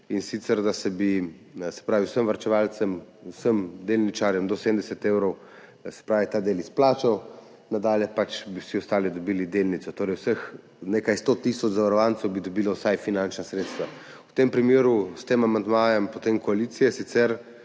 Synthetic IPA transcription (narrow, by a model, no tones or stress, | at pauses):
insit̪sɛɾd̪asɛbi | sɛ̥pɾaːʋiwsəmʋaɾt͡ʃɛʋalt̪sɛmusəmd̪elnit͡ʃaɾjɛmd̪ɔseːmd̪ɛsɛt̪ewɾɔw | sɛ̥pɾaːʋit̪aːd̪eːlisplaːt͡ʃaw | nad̪aːljɛpat͡ʃbiwsiɔst̪aːlid̪ɔbiːlid̪elnit̪ɔt̪oːɾɛjwsəx | nekajst̪ot̪isɔt͡ʃzaʋaɾɔʋant̪sɛwbid̪ɔbiːlɔwsajfinant͡ʃnasɾet̪st̪ʋa | wt̪empɾimeːɾust̪emamand̪maːjɛmpot̪emkɔalit̪sijɛsit̪sɛɾ